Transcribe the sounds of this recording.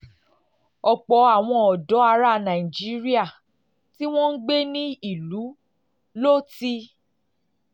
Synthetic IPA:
ɔ˨k͡pɔ˨˦a˨w̃ɔ̃˧ɔ˨dɔ˨˦a˧ɾa˧nã˨i˨d͡ʒi˨˦ɾi˦a˦˨ | ti˦w̃ɔ̃˦n̩˦ɡ͡be˦nĩ˦i˦˨lu˨˦ | lo˦ti˧

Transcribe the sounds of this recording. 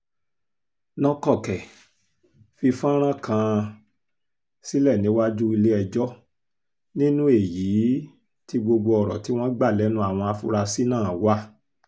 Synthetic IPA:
nɔ̃˧kɔ˦˨kɛ˨ | fi˧fã˦ɾ̃ã˦kã˧ | si˦lɛ˦˨nĩ˨˦wa˦d͡ʒu˦i˧le˦ɛ˧d͡ʒɔ˦ | nĩ˦nũ˦e˦˨jiː˨˦ | ti˦ɡ͡bo˧ɡ͡bo˧ɔ˨ɾɔ˨ti˦w̃ɔ̃˦ɡ͡ba˦˨lɛ˨˦nũ˦a˨w̃ɔ̃˧a˧fu˦ɾa˧si˦nãː˦˨wa˦

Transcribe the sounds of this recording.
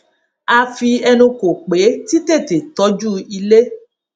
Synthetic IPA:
a˧fi˧ɛ˧nũ˧ko˨k͡pe˨˦ti˦te˦˨te˨tɔ˨˦d͡ʒu˦i˧le˦

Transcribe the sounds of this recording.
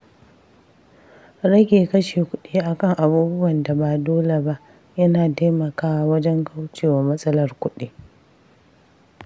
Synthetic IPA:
ɾɐ˦ɡʲeː˨kɐ˦ʃeː˨kʷʊ˦ɗiː˦ʔa˨kɐ˦ŋʔa˨buː˦bʊ˦wɐ˨nda˨baː˨doː˦le˨ba˦ʔ | jɐ˦naː˨taː˦mɐ˨kaː˦wa˨wɐ˦d͡ʒɛ˦ŋkʰa˦wt͡ʃeː˨wa˨mɐ˦sʼɐ˦lɐ˨rkʷʊ˦ɗiː˦

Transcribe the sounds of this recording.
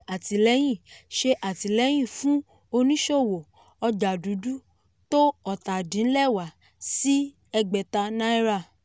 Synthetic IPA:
a˨ti˨lɛ˨˦j̃ĩ˦˨ʃe˧ʔa˨ti˨lɛ˨˦j̃ĩ˦˨fũ˦ | o˧nĩ˦ʃo˦˨wo˨ | ɔ˧d͡ʒa˨du˨˦du˦ | to˦ɔ˦˨ta˨dĩ˨n̩˦lɛ˦˨wa˨ | si˦ | ɛ˧ɡ͡bɛ˨ta˧nã˦i˦ɾa˦˨

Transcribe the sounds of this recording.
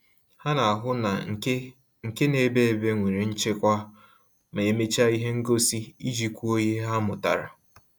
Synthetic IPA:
ha˦na˨a˨ɦʊ˦na̰˨˦ | ŋ̩˨ke˦ne˨˦be˦e˨be˦ŋʷe˨ɾi˨n̩˦t͡ʃe˦kʷa˦ | me˨e˨me˦t͡ʃa˦i˦ɦe˦ŋ̩˦ɡo˦si˦i˦d͡ʒi˨kʷu˦o˦ɲe˦ɦa˦mʊ˨ta̰˨ɾa̰˨

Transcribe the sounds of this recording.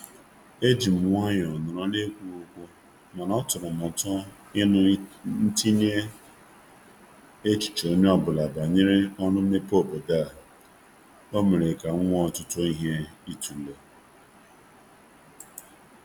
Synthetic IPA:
e˦d͡ʒi˨m̩˨ŋʷa˦ɲ˨ɔ˨nʊ˨ɾɔ˦ne˦kʷu˦u˦kʷʊ˦ | ma˨nɔ˦tʊ˨nʊ˨m˨ɔ˨tɔ˦ | ɪ˦nʊ˦n̩˦ti˦ni˦e˦ | e˦t͡ʃi̥˨t͡ʃo˨˦ɲ˦ɔ˦bʊ˨la˨ba˨ɲɪ˦ɾɪ˦ɔ˦nʊ˦m̩˦e˦po˦˨bo˨da˦˨ | o˦me˨ɾe˨ka˨ŋ̩˦ŋʷɔ˦ɔ˨tʊ˦tʊ˦i˦ɦe˦i˦tu˨le˨

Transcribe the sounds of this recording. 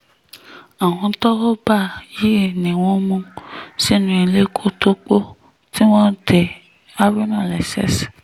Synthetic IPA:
a˨wɔ̃˧˦tɔ˦wɔ˦ba˦˨ji˦˨nĩ˨wõ˦mũ˧si˦nũ˧i˧le˦kʰo˦to˦k͡po˦ | ti˦w̃ɔ̃˦te˧ | a˦bi˦nã˦˨lɛ˨sɛ̰˦s

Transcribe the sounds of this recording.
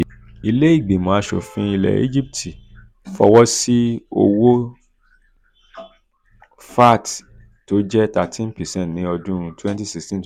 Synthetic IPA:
i˧le˦i˦˨ɡ͡be˨mã˨a˦ʃo̰˨fĩ˧˦i˧lɛ̰˨ḭ˦d͡ʒi˦p̚tʰi˨ | fɔ̰˧wɔ˦si˦o̰˧wo˦ | fa˦˨t | to˨˦d͡ʒɛ˦ta˨tʰĩ˦npɛ˨sɛ̃˦˨tnĩ˨˦ɔ˧dũ˦˧twɛ̃˦nti˦si˧stĩ˦n˦

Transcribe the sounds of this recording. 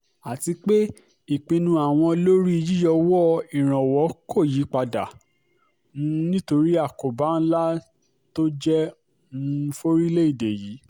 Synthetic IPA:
a˨ti˧k͡pe˦ | i˨k͡pĩ˧nũ˧a˨w̃ɔ̃˧lo˦ɾi˦i˧d͡ʒi˦jɔ˧wɔ˦i˨ɾ̃ã˨wɔ˨˦kʰo˦˨ji˨˦k͡pa˧da˨ | ũ˦nĩ˦to˧ɾi˦a˦˨ko˨ba˨˦n̩˦la˦ | to˦d͡ʒɛ˦˧˦ | fo˦ɾi˦le˦i˦˨de˨ji˨˦

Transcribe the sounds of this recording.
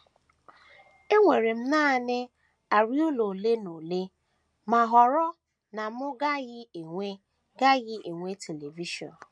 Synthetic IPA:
e˦ŋʷe˨ɾe˨m̩˦naː˦˨nɪ˦ | a˨ɾi˦o˦lo˨le˦no˨le˦ | ma˨ɦɔ˨ɾɔ˦ | na˨mʊ˦ɡa˦ɣɪ˦e˨ŋʷe˦ | ɡa˦ɣɪ˦ʔe˨ŋʷe˦tʰe˨le˨vi˦ʃɔ̰˨n˨

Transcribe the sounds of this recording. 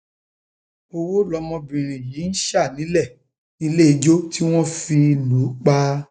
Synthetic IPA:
o˧wo˦lɔ˧˦mɔ̃˧bĩ˨ɾ̃ĩ˨ji˨˦n̩˦ʃa˦˨nĩ˨˦lɛ˦˨ | nĩ˦le˦i˧d͡ʒo˦ti˦w̃ɔ̃˦fi˧lu˨˦k͡pa˦˧

